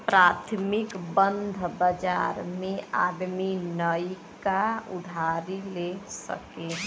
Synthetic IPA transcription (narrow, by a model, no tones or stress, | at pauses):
pɾaːt̪ʰmɪkbənd̪ʱbəd͡ʒaɾmẽad̪minəjkaʊd̪ʱaɾilesə̰ke